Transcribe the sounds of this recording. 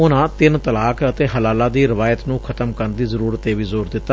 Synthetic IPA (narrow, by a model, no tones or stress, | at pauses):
ʊnãːt̪ɪnt̪əlaːkət̪eːɦəlaːlaːd̪iːɾɪʋaːjət̪nũːkʰət̪əmkəɾnd̪iːzəɾuːɾət̪eːʋiːzoːɾd̪ɪt̪ːaː